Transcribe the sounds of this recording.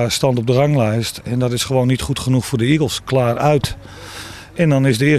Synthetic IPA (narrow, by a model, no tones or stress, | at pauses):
stɑntɔp̚dərɑŋlɛjstɛndɔtɪsχəʋoːnːitχutχənuxfʊːrdəiɡəlˠsklaːrœɥt | ɛndɔnɪsdəɪ